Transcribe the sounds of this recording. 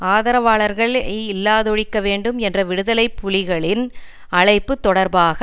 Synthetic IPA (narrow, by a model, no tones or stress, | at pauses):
aːðɐɾɐʋaːɭɐɾɣɐɭɪlːaːðɔɻɪkːɐʋeːɳɖɯmɛndrɐʋɪɽɯðɐlɐɪpːʊlɪɣɐɭɪn | ɐɭɐɪpːɯt̪ːɔɽɐɾbaːɣɐ